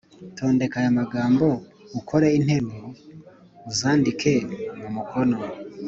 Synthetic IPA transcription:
tʰo̞ːnde̞kajamaɡaːmbo̞ukʰo̞ɾein̥he̞ɾu | uzaːndikʰe̞mumukʰo̞no̞

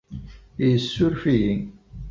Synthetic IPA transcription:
jəsːʊɾfijiŋ

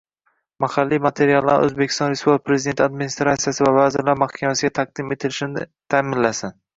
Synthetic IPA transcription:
mahalːijmat̪ʰe̞ɾijalˠːa̰ɾ̰ɵ̰zbekʲʰɪ̥st̪ɒnɾespubpɾezɪd̪e̞nt̪ʰɪad̪mɪnist̪ɾat̪sijasɪvavazɪɾlaɾmahkʲʰamasɪɡʲat̪ʰaq̚d̪ɪme̞t̪ʰɪlɪʃɪnɪt̪ʰaːmɪnlːasɪn

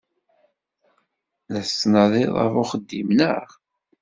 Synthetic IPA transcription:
læstːnəðˤiðˤɑ̰vʊχəd̪ːimnəʁ

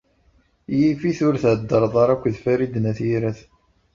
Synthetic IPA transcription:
jifiθʊɾθʕd̪ːəɾˤðˤɑɾˤækʷːðfæɾid̪næθjiɾæθ

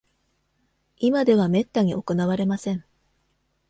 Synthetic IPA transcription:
imad̪e̞β̞ame̞t̪ːaɲ̟iʔo̞ko̞naβ̞aɾe̞masẽ̞ɴ

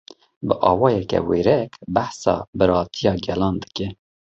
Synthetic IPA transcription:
bɨʔɑːwɑːjɛkɛ̰weːɾɛkbæħsɑ̰ːbɨɾɑːt̪ʰijɑːɡɛlɑːnd̪ɨ̥kɛ

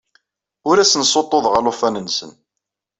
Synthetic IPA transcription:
ʊɾæsənsot̪ˤːoðˤʁəlʊfænənsə̰n

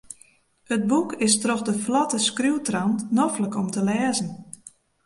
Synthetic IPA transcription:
ət̚bukɪstroxdəflɔtəskruwtrantnɔfləkɔmtəlɛːzən̩

